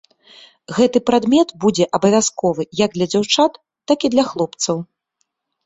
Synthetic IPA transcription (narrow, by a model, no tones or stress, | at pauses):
ɣɛt̪ɨpɾad̪mʲɛt̪bud͡zʲɛʔɐbɐvʲaskɔvɨjaɡ̚d̪lʲɐd͡zʲawt͡ʂat̪ːakid̪lʲɐxlˠɔpt̪sɐw